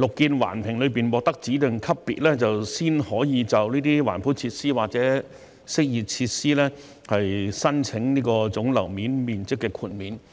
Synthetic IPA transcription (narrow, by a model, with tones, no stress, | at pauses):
lʊ˨kːiː˧nwa̰ː˨˩npʰɪ˨˩ŋlɵ˨˧ɥpiː˨nwɔː˨k̚t̪ɐ˥k̚t͡siː˨˥t̪ɪ˨ŋkʰɐ˥ppːḭː˨t̚lɛː˥t͡sɐ˨wsiː˥nhɔː˨˥jiː˨˧t͡sɐ˨˩wniː˥t̪iː˥wa̰ː˨˩npʰuː˨˥nt͡sʰiː˧t̚siː˥waː˨k̚t͡sɛː˨˥ | sɪ˥k̚jiː˨˩t̚t͡sʰiː˧t̚siː˥lɛː˥ | hɐ˨jsɐ˥nt͡sʰɪ˨˥ŋniː˥kɔː˧t͡sʊ˨˥ŋlɐ̰˨˩wmiː˨˥nmiː˨˩nt͡sɪ˥kːɛː˧kʰuː˧nmiː˨˥n